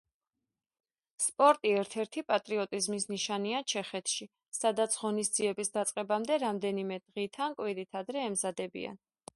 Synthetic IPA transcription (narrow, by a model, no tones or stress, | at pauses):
spʼɔɾt̪ʼiɛɾt̪ʰɛɾt̪ʰipʼat̪ʼɾiɔt̪ʼizmisniʃaniat͡ʃʰɛχɛt̪ʰʃi | sad̪at̪sʰʁɔnisd̪z̥iɛbisd̪at̪sʼqʼɛbamd̪ɛɾamd̪ɛnimɛd̪̥ʁit̪ʰankʼwiɾit̪ʰad̪ɾɛːmzad̪ɛbḭa̰n